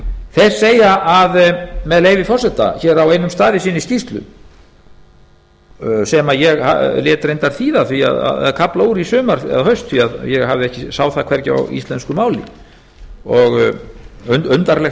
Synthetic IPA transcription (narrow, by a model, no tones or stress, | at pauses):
θejr̥seːjaʔaðmɛðleːjvɪfɔrsɛt̪a̰çɛːɾaweːjnʏmst̪aːðɪsiːnɪisc̪ist̪lʏ̰m | sɛmajɛɣha̰lɛːt̪ɾejnt̪aɾ̥θiːðaðθvia̰ða̰ða̰ðkʰaplauːɾisʏːmaɾ̥θɛ̰ðhœɥst̪θviaðjɛɣɦavðɪɛhcɪsaːwθakʰvɛɾcɪa̰wḭst̪lɛnskʏmaːwlɪ̰ | ɔɣ | ʏʏnt̪aɾlɛx